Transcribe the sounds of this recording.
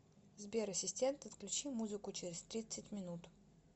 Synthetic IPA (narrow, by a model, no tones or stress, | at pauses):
zbʲeɾɐsʲɪsʲtʲe̞nt̪ɐt̪klʲʉt͡ɕimuzɨkʊt͡ɕɪɾʲɪst̪ɾʲit̪sɨtʲmʲɪnut̪